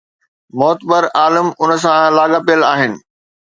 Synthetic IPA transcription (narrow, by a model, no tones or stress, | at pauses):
mɔːt̪bəɾaːlɪmʊnəs̬ãlaːɡapijəlaːɦɪnɪ̆